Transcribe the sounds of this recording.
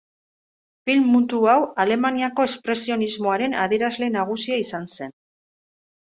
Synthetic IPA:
filmːut̪uawale̞maniako̞espɾe̞sio̞nizmo̞aɾe̞na̰ðieɾazle̞naɣ̞usiaisanse̞n

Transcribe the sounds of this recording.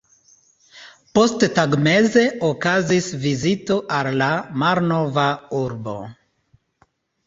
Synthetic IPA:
po̞sttaɡme̞ze̞okazisvizito̞ʔalːamaɾno̞vauɾbo̞̰

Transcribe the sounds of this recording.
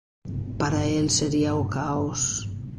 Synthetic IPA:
paɾaelseɾiaukaos

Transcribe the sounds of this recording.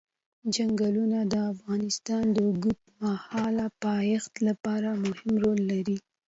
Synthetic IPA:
d͡ʒaŋɡalunad̪əafɣɑnɪst̪ɑnd̪əɡut̪mahɑlapɑjɪxt̪lapɑɾamʊhɪmɾolːaɾi

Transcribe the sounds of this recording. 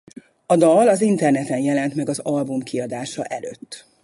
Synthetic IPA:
ɒd̪ɒlɒzint̪ɛrnɛt̪ɛnjɛlɛnt̪mɛɡɒzɒlbumkiɒd̪aːʃɒ̰ʔɛlø̰ːt̪ː

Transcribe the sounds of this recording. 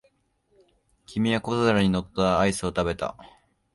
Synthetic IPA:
kʲimʲiakozɨɾaɲ̟ino̞t̪ːaːisɨo̞t̪abe̞t̪a̰

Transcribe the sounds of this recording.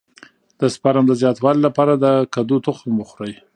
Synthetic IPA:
d̪̥əspaɾamd̪əzjɑt̪wɑlilapɑɾad̪əkad̪ut̪ʊxmuxɾaj

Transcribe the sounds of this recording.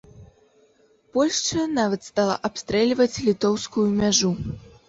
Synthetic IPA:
pɔlʲʂt͡ʂɐnavɐt̪st̪alˠa̰ʔapst̪ɾɛlʲvɐt͡sʲlʲit̪ɔwskujumʲaʐu

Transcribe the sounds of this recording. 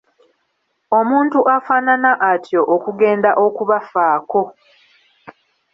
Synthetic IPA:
o̞muːntuʔafaːnanaʔatʰjo̞ʔokuɡe̞ːndaʔo̞kuβafaːko̞

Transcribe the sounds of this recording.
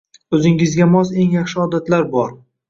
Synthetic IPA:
ɵzɪŋɪzɡʲamɒze̞ŋjaχʃɪɒd̪at̪laɾbɒɾ

